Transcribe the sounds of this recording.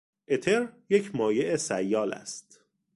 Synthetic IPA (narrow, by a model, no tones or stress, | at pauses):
ʔe̞t̪ʰeɾje̞cʰmɒːje̞ʔesæjːɒːlæ̰st̪